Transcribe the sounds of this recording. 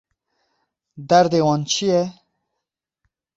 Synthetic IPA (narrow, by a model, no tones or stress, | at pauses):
d̪æɾd̪ewɑnt͡ʃʰijɛ